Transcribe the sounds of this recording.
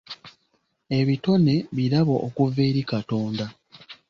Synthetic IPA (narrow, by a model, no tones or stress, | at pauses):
e̞βito̞ne̞βiɾaβoʔːkuve̞ːɾikato̞ːnda